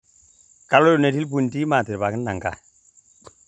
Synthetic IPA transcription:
ka˨lo˦ju˨ne˨ti˦lp̬u˨nti˦ma˨ti˨ɾba˨kə˦n˦da˨ŋka̰˨

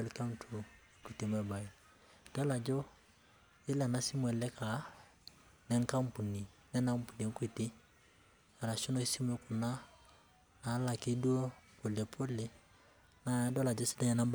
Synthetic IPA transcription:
ɛ˦lka˦n˦tʰo˨˦ | ki˨ti˨m˦ɛ˦˨ba˨i˨ | d̥ɔ˦la˨d͡ʒɔ˦ | ɪ˦lɛ˨na˦si˦m˦ɛ˨lɛ˦ka˨˦ | nɛ˦ŋka˦mpu˨ni˨ | nɛ˦na˦m˦pu˨ni˨ŋ˦ki˨ti˦ | a˨la˨ʃo˦no˦i˦si˦m˦ɛ˦ku˨na˦ | na˨˦la˨ki˦du˦o˦po˨le˨pʰo˦le˨ | na˨˦dɔ˦la˨d͡ʒɔ˦si̥˦da˦ɲɛ˨na˦b

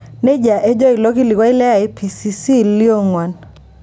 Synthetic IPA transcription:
ne˦d͡ʒa˨ʔe˦d͡ʒɔ˦i˨lɔ˦ki˦li˨kwa˦i˦lɛ˦a˨e˦pʰi˨si˨si˦li˦o˦ŋwa˨n

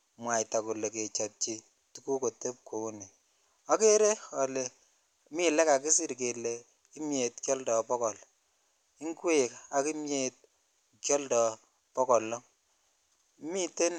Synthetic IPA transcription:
mwa˨jta˨ku˨le˨k̬e˨t͡ʃɔ˨t̚t͡ʃi˦ | tu˨˦ku˦ko˨te˦p̚ko˨o˦ne˨ | a˦ke˦ɾe˦ɔ˨le˨ | mi˦lɛ˦ka˨ki˦si˦ɾk̬e˨le˨ | ki˦mje˨tkjɔ˦ldɔ˨pɔ˦kɔ˨l | i˦ŋkwe˦˨ka˨ki˦mje˦t̚ | kjɔ˦ldɔ˨ | pɔ˦kɔ˨lɔ˦ | mi˦te˦n

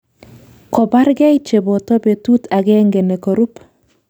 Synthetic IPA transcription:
kɔ˨ba˦ɾɡɛ˦ɪ˦t͡ʃe˨bo˨to˦be˨tu˦ta˨ɡɛ˦ŋɡe˨ne˨ko˨ɾu˦p

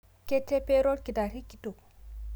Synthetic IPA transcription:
ke˦tːe˦pe˦ɾo˦lki˨da˨ɾi˦kːi˦to˨

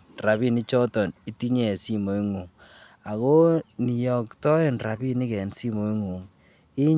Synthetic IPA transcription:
ra˨βi˦ni˦t͡ʃɔ˦tɔ˨ni˦ti˦ɲɛ˨si˦mo˨i˦ŋo˨ŋ | a˨ko˦ni˨jɔ˨ktɔ˦e˦nra˨bi˦ni˦kɛ˨nsi˦mo˨i˦ŋo˨ŋ | i˦ɲ

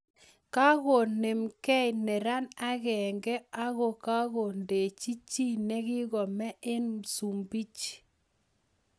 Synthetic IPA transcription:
ka˦ɣo˨ne˨mkɛ˦jnɛ˨ɾa˦na˦ɣɛ˨ŋɡɛ˦a˦ɣo˨ka˦ɣo˨nde˨t͡ʃi˦t͡ʃi˦nɛ˦ɣɪ˦ɣɔ˨mɛ˦ʔe˦nsu˨mbi˦t͡ʃ

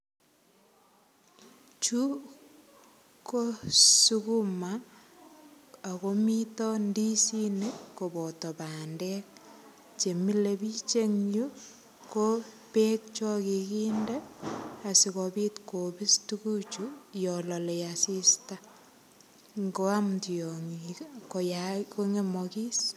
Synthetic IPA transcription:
t͡ʃu˦ | ko˦sukuma˨ | komitɔ˦ndi˦si˦ni˦ko˨bɔ˨tɔ˨pa˨ndɛk | t͡ʃe˨mi˦lebi˦t͡ʃe˦ŋju˦ | ko | pek̚t͡ʃɔ˦kikindɛa˨si˨kɔpitkobi˦stu˦ku˦t͡ʃujɔlɔ˨le˨jasi˦sta | ŋɡo˦amtijɔŋko˨jako˦ŋe˦mɔki˦s

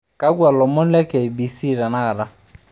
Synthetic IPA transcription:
ka˦ɡu˦a˨lɔ˨mɔ˦n˦lɛ˦kɛ˨i˨bi˨si˦˨ɾa˨na˦ɡa˨da˦

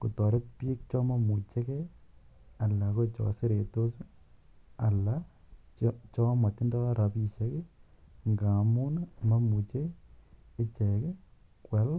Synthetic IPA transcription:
ku˨tɔ˨ɾe˦t̚pi˦k̚t͡ʃɔ˦ma˨mu˨t͡ʃɛ˦kɛ˦ | a˨la˨ko˦t͡ʃɔ̰˨se˦ɾe˨to˦s | a˨la | t͡ʃɔ˦mwa˨tːɪ˦ndɔ˦ɾa˨pi˨t͡ʃɛ˦kɛ˦ŋɡa˨mu˦nma˦mu˨t͡ʃeː˦ | t͡ʃɛ˨kɛ˦ | kwɛ˨˦l

